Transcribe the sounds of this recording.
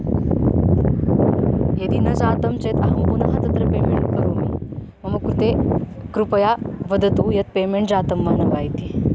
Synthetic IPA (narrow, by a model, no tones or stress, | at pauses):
jɐd̪inɐd͡ʒaːt̪ɐmt͡ʃeːt̪ɐɦɐmpunɐɦɐt̪ɐt̪ɾɐpeːmeɳʈkɐɾoːmi | mɐmɐkɾut̪e | kɾupɐjaːʋɐd̪ɐt̪ujɐt̪̚peːmeɳʈd͡zaːt̪ɐmːaːnɐʋaːjt̪i